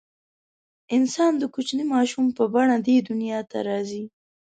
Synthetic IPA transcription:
ɪnsɑnd̪əkʊt͡ʃnimɑʃumpəbaɳad̪ed̪ʊnjɑt̪a̰ɾɑzi

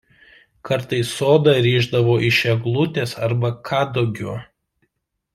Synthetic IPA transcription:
kʰɐɾt̪ɐɪsːoːd̪ɑɾʲiːʒd̪ɐʋoːʔɪʃʲɛɡlˠʊt̪ʲeːsɐɾbɐkʰɑːd̪oːɡʲo̰ː

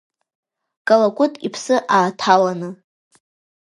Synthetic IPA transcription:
kʼalakʷʼʊtʼipʰsɨʔaːtʰalanɨ

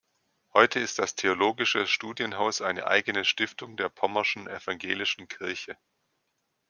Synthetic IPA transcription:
hɔʏtʰəɪst̚d̥astʰeoloːɡɪʃəʃtuːdjənɦaʊsʔaɪnə̰ʔa̰ɪɡənəʃtɪftʊŋdeːɐpʰɔmɐʃn̩ɛfaŋɡḛːlɪʃn̩kʰɪɐçə

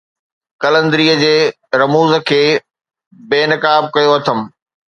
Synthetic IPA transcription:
kɐlə̃nd̪ɾiːəd͡ʑeː | ɾɐmuːzə̆kʰeː | beːnɐkaːb̚kɐjoɐt̪ʰəm

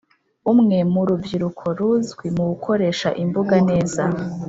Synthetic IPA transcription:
umŋe̞muɾubɡiɾukʰo̞ɾuzɡwimuɡukʰo̞ɾe̞ːʃa̰ʔimbuɡane̞ːza

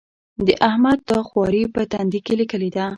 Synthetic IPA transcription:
d̪əʔahmad̪̚t̪ɑxwɑɾipət̪and̪ikelikəled̪a

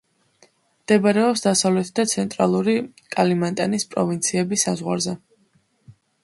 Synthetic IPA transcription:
md̪̥ɛbaɾɛɔpsd̪asavlɛt̪ʰd̪at̪sʰɛnt̪ʼɾa̰lˠuɾikʼalimant̪ʼanispʼɾɔvint̪sʰiɛbisazʁwa̰ɾzɛ

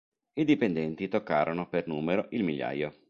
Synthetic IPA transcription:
id̪ipend̪ɛnt̪it̪okːaːɾonopernuːmeɾoʔilmiʎːa̰jːo

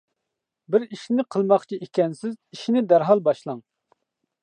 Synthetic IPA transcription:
bɪɾiʃnɪqʰəlˠmɑχt͡ʃʰiekʲɛnsɪziʃinɪd̪æɾɦɑlˠbɑʃlˠɑŋ

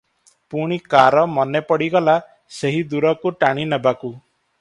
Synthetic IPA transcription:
puɽ̃ikaɾɔmɔnepɔɽiɡɔla | seɦid̪uɾɔkuʈaɽ̃inebaku

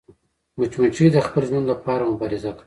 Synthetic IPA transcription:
mʊt͡ʃmiʈ͡ʂid̪əxpəlʒmunlapɑɾamʊbɑɾɪzaka

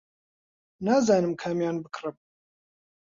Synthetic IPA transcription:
naːzaːnɨmkʰaːmjaːnbɨkʰrɨm

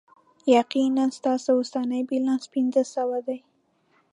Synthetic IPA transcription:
jaqinanst̪ɑsawʊst̪ɑnəjbilɑ̃nspɪnzəsawad̪aj

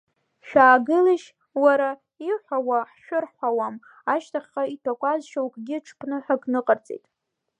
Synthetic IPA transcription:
ʃᶣaːɡɨliʃ | waɾa | iħʷawaħʃʷᶣʊrħʷawam | aʃtʰaχʲaitʰakʷʼazʃowkʼɡʲɪʈ͡ʂʰpʰnɨħʷᶣakʼnɨqʼərt͡sʼḛjtʼ

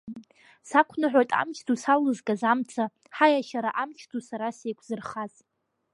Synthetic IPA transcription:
sakʷʰnɨħʷᶣojtʼa̰mt͡ʃʰtʰusallɨzɡʼazamt͡sʰa | ħajaʃaɾaʔamt͡ʃʰtʰusaɾasejkʷʰzɨrχaz

